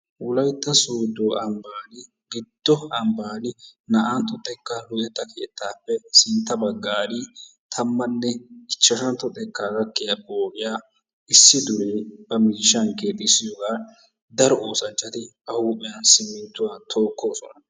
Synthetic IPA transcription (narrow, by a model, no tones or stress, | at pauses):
wʊlɐjt̪ːɐsoːd̪oːʔɐmbaːnɪ | ɡɪd̪ːɔɐmbaːnɪnɐʔant̪ɔt̪ʼːɛkːɐlʊt̪ʼɛt̪ʼːɐke̞̰ːt̪ːaːpːɛsɪnt̪ːɐbɐɡːaːd̪ɪt̪ʰɐmːɐnːɛɪt͡ʃːɐʃɐnt̪ɔt̪ʼːɛkːaːɡɐkːɪjɐboːʔɪjaː | ɪsːɪd̪ʊɾeːbɐmiːʃːɐŋke̞ːt̪ʼːɪsɪjoːɡaː | d̪ɐɾɔoːsɐnt͡ʃʼːɐt̪ɪ | ɐhuːpʼɪjɐnsɪmɪnt̪ːʊwaːt̪ʰo̞ːkːo̞ːsɔnɐ